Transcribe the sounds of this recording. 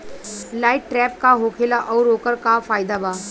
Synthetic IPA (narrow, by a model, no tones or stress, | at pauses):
lajʈːɾɛp̚kaɦokʰelaʔɔwɾokəɾkafaːjd̪aba